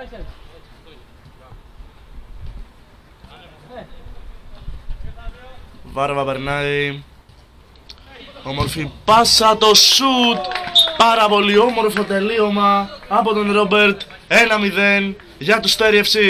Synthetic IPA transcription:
vɐɾvɐpe̞ɾnɐi | o̞mo̞ɾfipɐsɐt̪o̞sut̪pɐɾɐpo̞lio̞mo̞ɾfo̞t̪e̞lio̞mɐːpo̞t̪o̞nɾo̞be̞ɾt̪ | e̞nɐmiðe̞n | ʝɐt̪ust̪e̞ɾiefsi

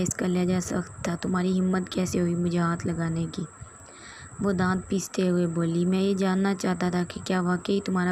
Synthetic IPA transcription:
ɪskaljad͡ʒaːsɐxt̪ʰːat̪ʊmɦaːɾiɦɪmːət̪kɛːseɦoimʊd͡ʒʱeɦaːt̪ʰlɐɡaːnekiː | ʋoːd̪ãːt̪̚piːst̪eɦʊeboːlimɛ̃ːjed͡ʒaːnːat͡ʃaːt̪at̪ʰakikjaːʋaːkəit̪ʊmɦaːɾa

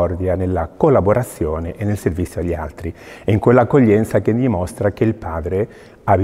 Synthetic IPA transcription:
ɔrd̪janelːakolːaboɾʔat̪sːjoːneʔenːelservit̪sːjoaʎːia̰lt̪ɾiiŋkwelːaːkːoʎːɛnt̪sak̟enːimost̪ɾak̟eilpaːd̪ɾe | av

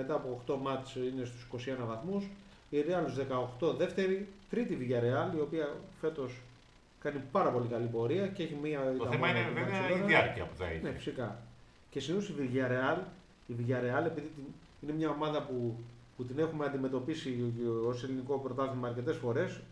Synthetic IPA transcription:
me̞t̪ɐːpoːxt̪o̞mɐt͡ʃine̞st̪u̥si̥ko̞sie̞nɐvɐθmus | iɾeɐluzðe̞kɐoxt̪o̞ðe̞ft̪e̞ɾit̪ɾit̪iviʝɐɾe̞ɐlio̞piɐfe̞t̪o̞s | kɐnipɐɾɐpo̞likɐlibo̞ɾiɐcee̞çimiɐt̪ɐemɐinveɐɾɐiɐɾciɐ̰puθɐ̰ḭnei̥sikɐ | ce̞sinosiviʝɐɾe̞ɐl | iviʝɐɾe̞ɐle̞piðit̪i | ine̞mɲɐo̞mɐðɐpuput̪ine̞xumeɐnd̪ime̞t̪o̞pisio̞se̞liniko̞pɾo̞t̪ɐθimɐːɾce̞t̪e̞sfo̞ɾe̞s

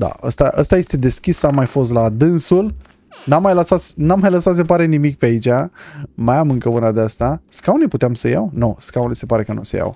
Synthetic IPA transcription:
d̪a̰ə̰st̪aʔəst̪aje̞st̪e̞d̪e̞skʲisamːajfo̞s̬t̪lad̪ɨnsul | namːajləsat̪snamːajləsat̪sepaɾenimik̚peait͡ʃʲamajamɨŋkəunad̪east̪askawneput̪eamsəja̰wnoskawnesepaɾe̞kənṵseja̰w

